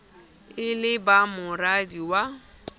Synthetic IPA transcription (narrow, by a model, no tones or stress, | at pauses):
ɪlɪbamʊradiwa